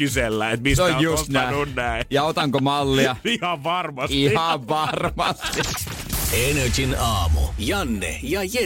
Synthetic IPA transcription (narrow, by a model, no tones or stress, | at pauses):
yselːæet̪misseojjusst̪næonnæijɑot̪ɑŋkomɑlːiɑihɑʋʋɑrmɑsihɑʋʋɑrmɑst̪i | ened͡ʒinɑːmṵjɑnːḛjɑje